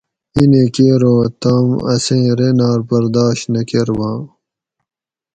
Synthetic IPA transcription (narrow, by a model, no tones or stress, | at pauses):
inekeːɾõːt̪aːmɐ̰sẽːɾenaːɾbɐɾd̪aːɕt̪nɐkeɾwãː